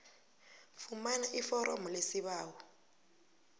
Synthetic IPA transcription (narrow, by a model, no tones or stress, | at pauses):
fumanaʔifɔɾɔmɔlesiβaːwɔ